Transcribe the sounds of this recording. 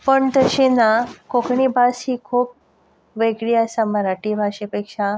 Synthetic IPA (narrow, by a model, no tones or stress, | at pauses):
pəɳt̪əɕenakokʰɳibashiːkʰuːp̚ | ʋeɡɽiasaməɾaʈibʱaɕepekʂa